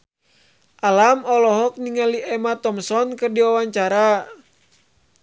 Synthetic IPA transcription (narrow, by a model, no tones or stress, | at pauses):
ʔalamɔlɔɦɔk̚niŋaliɛmat̪ɔmsɔnkɨrdiawaɲt͡ʃaɾa